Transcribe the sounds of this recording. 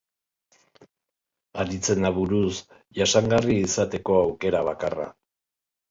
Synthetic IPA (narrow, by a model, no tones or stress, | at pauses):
aɾit͡se̞nd̪aβuɾus | ʝasaŋɡariːsat̪e̞ko̞awke̞ɾaβ̞akara̰